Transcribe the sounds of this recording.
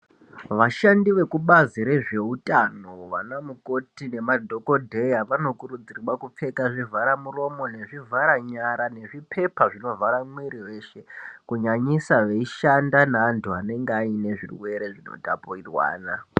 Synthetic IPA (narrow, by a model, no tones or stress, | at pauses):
ʋaʃandiʋe̞kuɓaziɾe̞ʐe̞utʼano̞ʋa̰namuko̞tine̞madʱo̞ko̞dʱe̞jaʋano̞kuɾud͡zirwakup͡fe̞kaʐivʱaɾamuro̞mo̞ne̞ʐivʱaɾaɲaɾane̞ʐipʰe̞paʐino̞vʱaɾamwiɾiwe̞ːʃe̞kuɲaɲisaʋe̞iʃandanaːntʰuane̞ŋɡeaine̞ʐḭrwe̞ɾe̞ʐino̞̰tapoirwa̰ːna